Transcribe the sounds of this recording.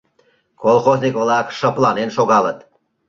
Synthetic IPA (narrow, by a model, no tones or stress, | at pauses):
kolˠxoznikβlˠɑkʃə̆plˠɑnenʃoɣɑlət̪